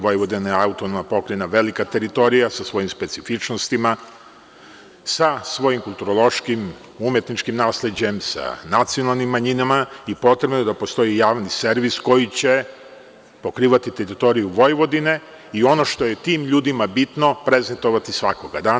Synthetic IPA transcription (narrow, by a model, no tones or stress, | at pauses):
ʋo̞jʋo̞d̪ineaut̪onomapo̞kɾenaʋe̞likat̪e̞ɾit̪o̞ɾijasasʋo̞jimspe̞t̪sifit͡ʃnost̪ima | sasʋo̞jimkulˠt̪uɾolˠo̞ʃkim | umje̞t̪nit͡ʃkimnaːsle̞d͡ʑe̞msa̰nat̪sio̞nalˠnimːaɲinamaipo̞t̪ɾe̞bnod̪apo̞st̪o̞jijaːʋniseɾʋisko̞jit͡ɕe̞ | po̞kɾiːʋat̪it̪eɾit̪o̞ɾijuʋo̞jʋo̞d̪ine̞ | io̞no̞ʃt̪o̞je̞t̪iːmʎuːd̪imabit̪nopɾe̞zent̪o̞ʋat̪isʋakoɡad̪aː